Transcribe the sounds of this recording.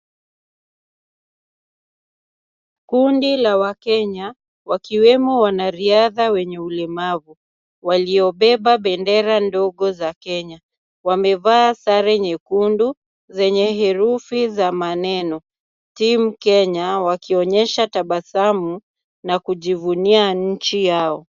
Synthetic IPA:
kundilawakɛɲa | wakiwɛmɔwanaɾiaðawɛɲɛulɛmavu | waliɔɓɛɓaɓɛndɛɾandɔɠɔzakɛɲa | wamɛvaːsaɾɛɲɛkundu | zɛɲɛɦɛɾufizamanɛnɔ | tim̩kɛɲawakiɔɲɛʃataɓasamu | nakuʄivuniaɲ̩t͡ʃijaɔ

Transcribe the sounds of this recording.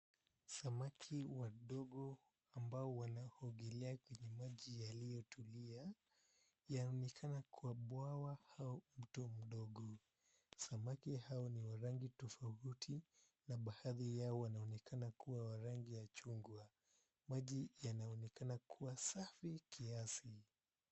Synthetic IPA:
samakʰiwaɗɔɡɔ | ambaɔwanahɔɡɛlɛakwɛɲɛmaʄijalijɔtulia | janaɔnɛkʰanakʰuwaɓwawahaɔm̩tɔm̩ɗɔɡɔ | samakihaɔniwaɾaŋɡitɔfautʰi | naɓahaðijaɔwanaɔnɛkʰanakuwawaɾaŋɡijat͡ʃuŋɡwa | maʄijanaɔnɛkanakʰuwasafikʰiasi

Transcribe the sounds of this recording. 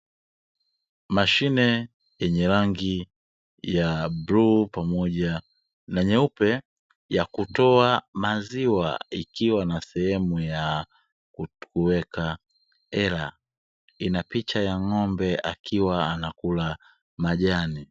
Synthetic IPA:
maʃinɛ | jɛɲɛɾaŋɡi | jabɾupamɔʄa | naɲɛupɛ | jakutɔamaziwa̰ikiwanasɛhɛmuja | kukuwɛka | ɛɾa | inapit͡ʃajaŋɔmbɛʔa̰kʰiwaanakula | maʄani

